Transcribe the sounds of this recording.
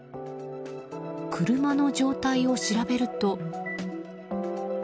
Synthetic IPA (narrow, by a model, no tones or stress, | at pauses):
kʰɯɾɯ̟mano̞d͡ʑo̞ːt̪aio̞ɕiɾabe̞ɾɯ̟t̪o̞